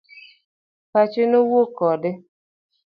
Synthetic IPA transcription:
pat͡ʃɪnowokɔdɪ

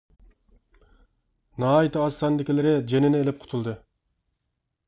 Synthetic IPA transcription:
nɑːit̪ɑɑsːɑnd̪ɪkʲilɪɾɪd͡ʒenɪnɪelɪp̚qʰʊ̥t̪ʰulˠd̪ɨ

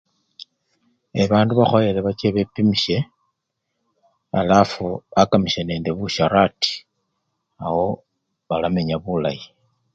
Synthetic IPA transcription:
eβaːnduβaxojeleβat͡ʃeβe̞pimiʃe̞ | a̰lafuakamiʃe̞ne̞ːnde̞βuʃaɾati̥ | awo̞ | βalame̞ɲaβula̰ji

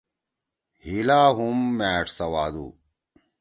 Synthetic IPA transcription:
hilaːɦumːæːʈsɐwaːd̪ṵː

